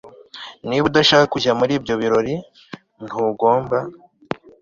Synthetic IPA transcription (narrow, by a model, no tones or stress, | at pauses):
niβudaʃaːkakuɟamuɾiːbɟo̞βiɾo̞ɾi | n̥huːɡo̞ːmba